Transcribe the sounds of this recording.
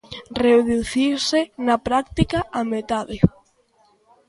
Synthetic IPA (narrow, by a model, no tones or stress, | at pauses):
reoðuθisenapɾak̚t̪ikaamet̪aðɪ